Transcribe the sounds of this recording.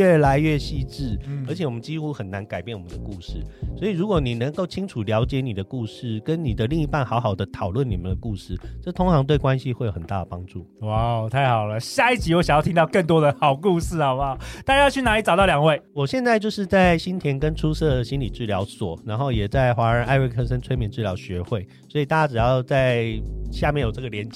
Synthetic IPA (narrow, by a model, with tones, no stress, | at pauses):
ɛ˥˩la˧˦ɪɥɛ˥˧ɕi˥˧ʈ͡ʂɻ̩˥˩ə˧˥t͡ɕʰjɛ˨˦wɔ˨˩mə˦nt͡ɕi˥xu˥xə˨˩nːa˧˦nka˨˩ɪpjɛ˥˩nwɔ˨˩mə˦nd̪ə˧ku˥˧ʂɻ̩˥˩swɔ˧˥i˨ɻu˧˥kwɔ˨˩˦ni˨˩nə˧˦ŋko˥˩ʊt͡ɕʰi˥ŋʈ͡ʂʰu˨˩ljɑ˧˥ʊt͡ɕjɛ˨˦ni˨˩d̪ə˩˦ku˥˧ʂɻ̩˥˩kə˦nni˨˩d̪ə˦li˥˧ŋi˥˧pa˥˩nxɑ˧˥ʊxɑ˨˩ʊd̪ə˦t̪ʰɑ˨˩ʊlwə˥˩ni˨˩mə˨nd̪ə˩ku˥˧ʂɻ̩˥˩ʈ͡ʂɤ˥˩t̪ʰo˥ŋʈ͡ʂʰɑ˧˥ŋt̪we˥˩ɪkwa˦nɕi˧xwe˥˩ɪo˨˩ʊə˨˩nt̪a̰˥d̪ə˩pɑ˦˥ŋʈ͡ʂu˥˩wa˥˩ʊt̪ʰa˥˩ɪxɑ˨˩ʊlə˦ɕja˥˧i˥˩t͡ɕi˧˥wɔ˧˥ɕjŋjɑ˥˩t̪ʰi˦˥t̪ɑ˧ʊkə˥˩ŋt̪wɔ˥d̪ə˨xɑ˨˩ʊku˥˧sɹ̩˥˩ə˨˩wa˨˩t̪a˥˩t͡ɕa˥jt͡ɕʰy˥˩na˧˥li˧˥t͡sɑ˨˩ʊt̪ɑ˥˩ljɑ˨˩ŋwe˥˩ɪwɔ˨˩ɕjɛ˥˧nt͡sa˥˧t͡ɕjo˥˧ʊʂɻ̩˥˧t͡sa˥˩ɪɕi˥nt̪ʰjɛ˧˥nkə˦nʈ͡ʂʰu˥sɤ˥˩ə˩ɕi˦˥nli˨˩ʈ͡ʂɻ̩˥˩ljɑ˧˥ʊswɔ˨˩na˧˥nxo˥˩ʊjɛ˨˩t͡sa˥˩ɪxwa˧˥ə˧˥ʔa˥˧ɪwe˥˩kʰɤ˥˧ʂə˥nt͡sʰwe˥ɪmjɛ˨˩nʈ͡ʂɻ̩˥˩ljɑ˧˥ʊɕɥɛ˧˥xwe˥˩ɪ | swɔ˧˥i˨t̪a˥˩t͡ɕja˥ʈ͡ʂɻ̩˨˩jɑ˥˧ʊt͡sa˥˧ɪɕja˥˧mjɛ˥˩njo˨˩ʈ͡ʂɤ˥˩ɡə˩ljɛ˧˥nt͡ɕ